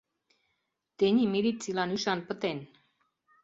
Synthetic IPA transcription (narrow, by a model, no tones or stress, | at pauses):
t̪eɲimiɾit͡silanyʃɑnpət̪en